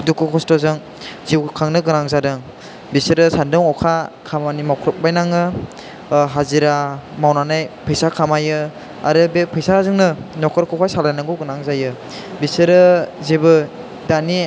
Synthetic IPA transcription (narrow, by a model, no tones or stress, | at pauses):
dukɯkʰɔstɔzɯŋ | ziwkʰaŋnɯɡɯnaŋzadɯŋ | bisɯɾɯsandɯŋɔkʰakʰamanimawkʰɾɔp̚bajnaŋɯ | ɦaziɾamawnanajpʰɯjsakʰamajɯ | aɾɯbepʰɯjsaazɯŋnɯnɔkʰɯɾkʰɔkʰajsalajnaŋɡɯwɡɯnaŋzajɯ | bisɯɾɯzebɯ | dani